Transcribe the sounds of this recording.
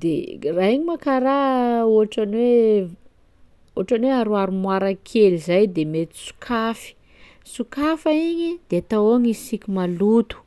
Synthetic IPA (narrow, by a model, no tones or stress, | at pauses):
d̪ḛraiɲimakaɾaoʈ͡ʂanwe | oaʈ͡ʂanweaɾuaɾumwaɾakʰelizajd̪emet̪i̥su̥kʰafi̥ | sukafaiɲid̪̥eat̪awoŋisikʲimalut̪u̥